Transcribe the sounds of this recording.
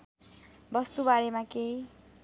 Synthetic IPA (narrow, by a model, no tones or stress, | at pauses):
bʌst̪ubaɾemãkej